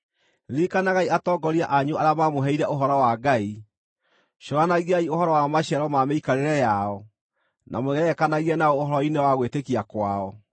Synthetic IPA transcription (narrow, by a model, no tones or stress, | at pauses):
ɾikanaɣaiatɔːɡɔɾiaʔaɲuaɾeamamoɦɛiɾɛʔoɦɔɾɔwaɡai | ʃoɾanaɣiaioɦɔɾɔwamaɕɛɾɔmameikaɾeɾɛjaɔ | nʔa̰moɣɛɛkanaɣiɛnaɔːhɔɾɔinewaɣwetekiakwaɔ